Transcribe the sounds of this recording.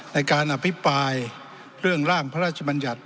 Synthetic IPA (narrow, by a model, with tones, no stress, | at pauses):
na˧jkaː˧nʔa˧pʰːi˦˥pɾaː˧j | ɾɯ˥˩əŋɾaː˥˩ŋpʰa˦ɾaː˥˩t̪̚t͡ɕʰa˧ba˧nja˨˩t̪̚